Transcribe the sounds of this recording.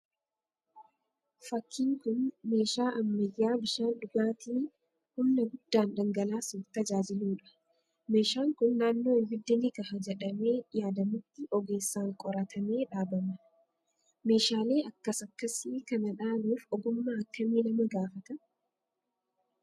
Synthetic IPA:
fɐkʰːiːŋkʊnme̞ːʃaːʔɐmːɐjːaːbɪʃaːnᶑʊɡaːt̪iː | hʊnːɐɡʊd̪̥ːaːndɐŋɡɐlaːsuːft̪ɐd͡ʒaːd͡ʒɪluːᶑɐ̥ | me̞ːʃaːŋkʊnːaːnːo̞ːɪmɪd̪ːɪnɪkɐhɐd͡ʒɛᶑɐme̞ːjaːd̪ɐmɪt̪ːɪʔɔɡe̞ːsːaːŋkʼɔɾɐt̪ʰɐme̞ːᶑaːbɐmɐ | me̞ːʃaːle̞ːɐkːɐsɐkːɐsikɐnɐᶑaːluːfɔɡʊmːaːɐkːɐmiːlɐmɐɡaːfɐt̪ɐ

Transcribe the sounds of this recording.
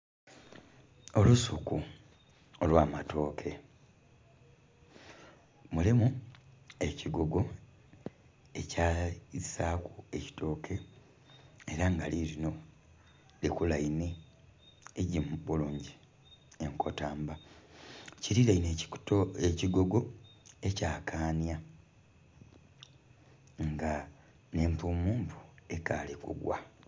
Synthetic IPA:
o̞lusuku | olwaːmato̞ːkʰe | mulimu | e̞ciɡo̞ɡo̞ | e̞caːisaːkue̞ci̥tʰo̞ːkʰe̞ː | ɾaŋɡaliɾino̞ | likulaine̞ː | ɟimubuloːɲɟi | eŋko̞taːmba | ciɾilaineeciɡo̞ɡo̞e̞caːkʰaːnja | ŋɡa | ne̞ːmpuːmuːmpu̥e̞kaːlekṵɡwa̰

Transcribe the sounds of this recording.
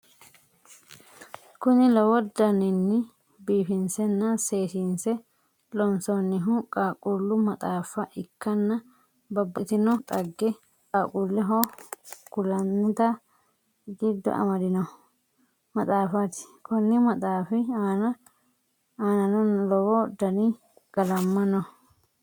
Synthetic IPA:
kʊnɪlɔwɔd̪ɐnɪnːɪ | biːfɪnsɛnːɐseːʃiːnsɛ | lɔnsɔnːɪɦʊkʼaːkʼulːʊmɐt̪ʼaːfɐʔɪkʰːɐnːɐ | bɐbːɐt̪ɪnɔt̪ʼɐɡːɛ | kʼaːkʼulːɛɦokʊlɐnːɪt̪ɐ | ɡɪd̪ːɔ̰ʔɐ̰mɐd̪ɪnɔ | mɐt̪ʼaːfat̪ɪ̥kɔnːɪmɐt̪ʼaːfɪaːnɐ | aːnɐnɐnlɔwɔd̪ɐni | ɡ̥ɐlɐmːɐnɔ

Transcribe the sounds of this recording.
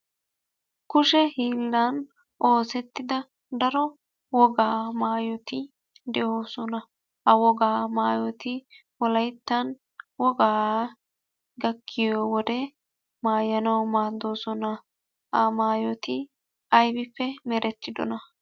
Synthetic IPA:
kʊʃɛhiːlːɐn | ʔoːsɛt̪ːɪd̪ɐ | d̪ɐɾɔ | wɔɡaːmaːjɔt̪ɪ | d̪ɛʔoːsɔnɐ | hɐwɔɡaːmaːjɔt̪ɪ | wɔlɐjt̪ːɐn | wɔɡaː | ɡɐkʰːɪjɔwɔd̪ɛ | maːjɐnɐwmaːd̪oːsɔnɐ | hɐmaːjɔt̪ɪ | ɐjbɪfːɛmɛɾʔɛt̪ːɪd̪ɔ̰nɐ

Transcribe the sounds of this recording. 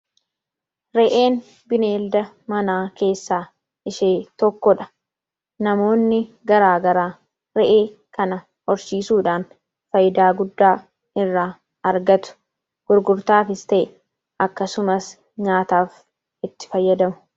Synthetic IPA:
ɾɛʔe̞ːn | bɪne̞ːld̪ɐ | mɐnaːke̞ːsːaː | ɪʃeːt̪ɔkːɔᶑɐ̥ | nɐmo̞ːnːɪ | ɡɐɾaːɡɐɾaː | ɾɛʔeː | kɐnɐ | hɔɾʃiːsuːᶑaːn | fɐjd̪aːɡʊd̪ːaː | ɪrːaː | ɐɾɡɐt̪ʊ̥ | ɡ̥ʊɾɡʊɾt̪aːfɪst̪ɛʔɪ | ɐkːɐsʊmɐs | ɲaːt̪aːf | ɪt̪ːɪ̥fɐjːɐd̪ɐmʊ̥

